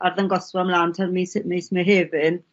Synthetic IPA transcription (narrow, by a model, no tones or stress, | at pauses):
arðənɡɔsvɔamlaːntʰarmismejsmɛɦeːvɪn